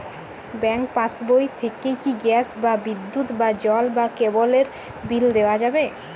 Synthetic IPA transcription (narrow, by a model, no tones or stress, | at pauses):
bɛŋk̚pãsbojt̪ʰekejkiɡɛsbabid̪ːut̪bad͡ʑɔlbakeboleɾ | bild̪eoad͡ʑabe